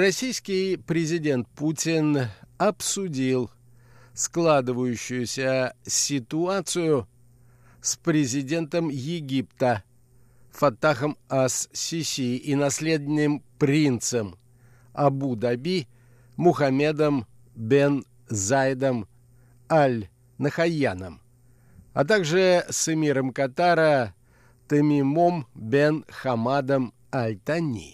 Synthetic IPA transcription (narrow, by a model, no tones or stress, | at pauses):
rɐsʲijskʲɪjpɾʲɪzʲɪdʲe̞nt̪̚putʲɪnɐpsʊdʲilˠ | sklˠad̪ɨvəjʉɕːʊjʊsʲəsʲɪt̪ʊat̪sɨjʊ | spɾʲɪzʲɪdʲe̞nt̪əmjɪɡʲipt̪ə | fɐt̪ːaxəmassʲisʲiʔinɐsʲlʲed̪ʲnʲːɪmpɾʲint̪səm | ɐbud̪ɐbʲi | mʊxɐmʲe̞d̪əm | bʲen | zajd̪əm | alʲ | nəxɐjanəm | ɐt̪̬aɡʐɨsɨmʲiɾəmkɐt̪aɾə | t̪əmʲimombʲenxɐmad̪əm | ɐlʲt̪anʲḭ